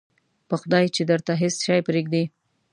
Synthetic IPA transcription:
pəxʊd̪ɑjt͡ʃed̪əɾt̪aɦɪsʃɑjpɾeɡd̪i

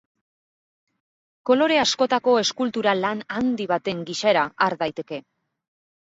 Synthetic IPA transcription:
ko̞lo̞ɾe̞asko̞t̪ako̞e̞skult̪uɾalanand̪iβ̞at̪e̞ŋɡiʃaɾaaɾðajt̪e̞ke̞

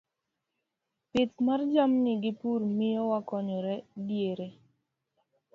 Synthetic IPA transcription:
pɪtmard͡ʒamnɪɡɪpurmɪjɔwakɔɲɔɾɛdjeɾe

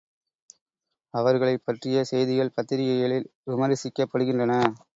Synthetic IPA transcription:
ɐʋɐɾɣɐɭɐɪpːɐʈrɪjɐsɛjðɪɣɐɭpɐt̪ːɪɾɪjɐjɐɭɪlʋɪmɐɾɪsɪkːɐpːɐɽɯɣɪndrɐnɐ

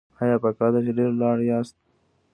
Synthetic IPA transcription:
ajɑpakɑːd̪at͡ʃeɖeɾlɑːɽjɑːst̪̚

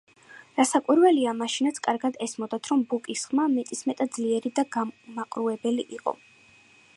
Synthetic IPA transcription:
ɾasakʼwiɾvɛliamaʃinat̪sʰkʼaɾɡad̪ɛsmɔd̪at̪ʰɾɔmbukʼisχmamɛt̪ʼismɛt̪ʼad̪d̪zliɛɾid̪aɡamaqʼɾuɛbɛliʔiqʼɔ̰

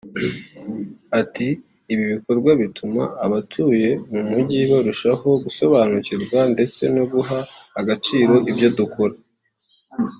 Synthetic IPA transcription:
atiː | βiβiko̞ɾɡwaβitʰuma̰ːβatʰuːje̞numuɟiβoɾuʃaho̞ɡuso̞βanuciɾɡwande̞t͡se̞no̞ɡuɦaːɡat͡ʃiːɾo̞ʔibjo̞dukʰo̞ɾa

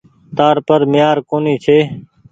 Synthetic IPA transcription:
t̪aːɾpəɾmɪjaːɾkoːniːt͡ʃʰeː

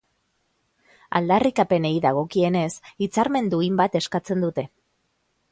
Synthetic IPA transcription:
a̰ld̪arikape̞ne̞iðaɣ̞o̞kie̞ne̞sit͡saɾme̞nd̪uimbat̪e̞skat͡se̞nd̪ut̪e̞

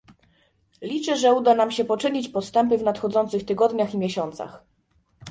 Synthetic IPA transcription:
lʲit͡ʂɛʐɛud̪anamɕɛpɔt͡ʂɘɲit͡ɕpɔst̪ɛmpɘvnat̪xɔd̪zɔnt̪sɘxt̪ɘɡɔd̪ɲaximʲjɛɕɔnt̪sa̰x

